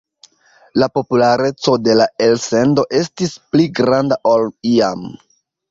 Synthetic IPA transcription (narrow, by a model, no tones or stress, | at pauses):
lapo̞pulaɾe̞t͡so̞de̞lae̞lse̞ndo̞ʔe̞stispliɡɾandaʔoliam